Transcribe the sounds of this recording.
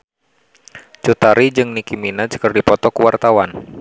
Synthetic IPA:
t͡ʃut̪aɾid͡ʒɨŋnikiminad͡ʒkərdipɔt̪ɔkuwart̪awan

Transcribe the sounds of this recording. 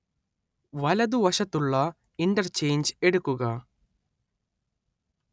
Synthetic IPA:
ʋɐlɐd̪uʋɐʂɐt̪ːuɭːɐ | iɳʈɐɾt͡ʃe̞ːɲd͡ʒeɽukːuɡɐ

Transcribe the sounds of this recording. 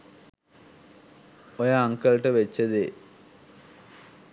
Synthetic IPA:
ojaɐŋkɐɭʈːɨʋet͡ɕːɐðɨ

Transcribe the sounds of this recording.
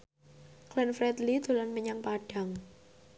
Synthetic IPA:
klɛnfɾɛt̪lid̪̥o̤lanməɲaŋpaɖ̥a̤ŋ

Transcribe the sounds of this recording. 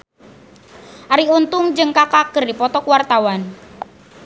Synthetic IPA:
ʔaɾiunt̪ʊŋd͡ʒɨŋkakakərdipɔt̪ɔkuwart̪awan

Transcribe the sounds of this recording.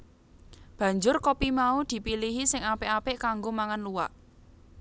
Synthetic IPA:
b̥ä̤ɲd͡ʒʊrkopimaud̪̥i̤piliɦisɪŋapeʔapeʔkaŋɡomaŋanluwa̰ʔ

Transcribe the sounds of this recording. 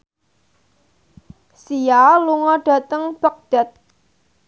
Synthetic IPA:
sijaluŋɔɖ̥a̤t̪əŋb̥ək̚d̥a̤t̪̚

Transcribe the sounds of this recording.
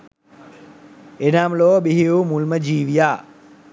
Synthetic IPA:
enaːmloːbiɦiumulməd͡ʒiːʋijaː

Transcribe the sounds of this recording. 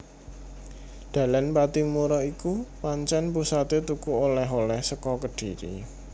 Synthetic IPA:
d̪̥ä̤lanpat̪imuɾɔikupaɲt͡ʃɛnpusat̪et̪ukuolɛɦolɛhsəkɔkəɖ̥i̤ɾḭ

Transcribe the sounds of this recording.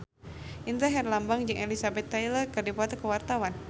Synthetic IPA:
ʔint̪aɦɛrlambaŋd͡ʒɨŋʔɛlisabɛt̪ːailərkɨrdipɔt̪əkəwart̪awan

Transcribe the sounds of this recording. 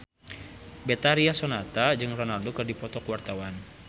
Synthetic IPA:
bɛt̪aɾiasɔnat̪ad͡ʒɨŋrɔnaldokɨrdipɔt̪ɔkuwart̪awan

